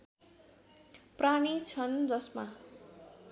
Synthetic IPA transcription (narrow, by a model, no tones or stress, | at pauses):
praɽ̃it͡sʰʌnd͡zʌsma